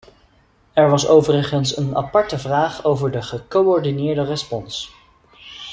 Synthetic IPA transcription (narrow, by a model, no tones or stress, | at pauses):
ɛɹʋɑsowvərəχənsənɑ̰pɑɹtəvraːχowvəɹdəχəkowɔɹdinɪːɹdərəspɔns